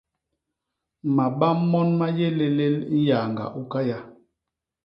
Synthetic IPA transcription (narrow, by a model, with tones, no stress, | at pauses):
ma˨ɓa˦mːɔ˦nma˦je˦le˦le˦ln̩˦ja˨ŋɡa̰˨ʔu˦ka˦ja˦